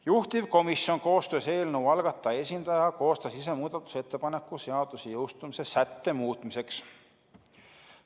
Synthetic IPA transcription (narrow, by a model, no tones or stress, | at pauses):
juht̪ivko̞misjo̞nko̞ːst̪ø̞ːse̞ːlnuwɑlɡ̥ɑt̪ːˑɑe̞sʲind̪̥ɑjɑko̞ːst̪ɑsis̬emuːd̪̥ɑt̪ːˑu̥set̪ːe̞pɑne̞kːˑuse̞ɑd̪̥usejɤwst̪umise̞sæt̪ːe̞muːt̪ˑmise̞ks